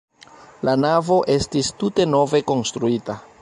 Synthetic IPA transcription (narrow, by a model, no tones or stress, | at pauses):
lanavo̞ʔe̞stistute̞no̞ve̞ko̞nstɾuita